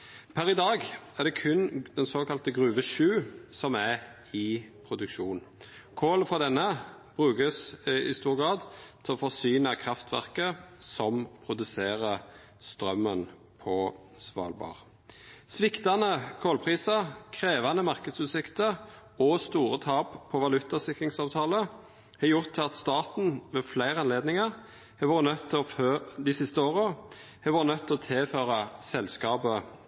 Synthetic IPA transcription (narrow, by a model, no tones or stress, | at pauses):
pʰæɾɪd̪ɑːɡæʁd̪ɛkʰʉnd̪ɛnsoːkɑlt̪əɡʁʉːʋəʃʉːsɔmæʁ | ɪpʰʁʊd̪ʉkʃuːn | kʰoːləfɔʁd̪ɛnːəb̥ʁʉːkəsɪ̰st̪uːʁɡʁɑːd̪t̪ʰɪɔfɔʁsyːnɑkʰʁɑft̪ʰʋæ̰ʁkəsɔmpʰʁʊd̪ʉseːʁə | st̪ʁœmːən | pʰɔ | sʋɑ̰ːlbɑ̰ːʁ | sʋɪkt̪ɑnəkʰɔlpʰʁiːsɑkʰʁeːʋɑnəmɑʁkəd̪sʉːsɪkt̪ə | ɔst̪uːʁət̪ʰɑːppʰɔʋɑlʉt̪ːɑsɪkʁɪŋsɑːʋt̪ʰɑːlə | hɑjʊʁt̪ʰːɪlɑt̪st̪ɑːt̪n̩ʋeːflæɪʁɑnleːd̪nɪŋə | hɛʋɑːʁənœt̪ʰːɪlɔfød̪ɪsɪst̪əoːʁəhɛʋɑːʁənœt̪ʰːɪlɔːt̪ʰeføːʁɑsɛlskɑːbə